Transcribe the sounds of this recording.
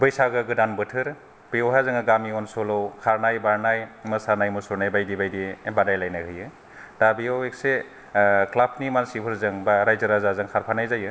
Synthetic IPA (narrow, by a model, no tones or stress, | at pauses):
bɯjsaɡɯɡɯdanbɯtʰɯɾ | piɔɦazɯŋɯɡamiɔnsɔlɔwkʰaɾnajbaɾnajmɯsaɾnajmusɔɾnajbajdibajdiebadajlajnahɯjɯ | d̥abiawek̚se | klapʰnimansipʰɯɾzɯŋbaɾajzɯɾazazɯŋkʰaɾpʰanajzajɯ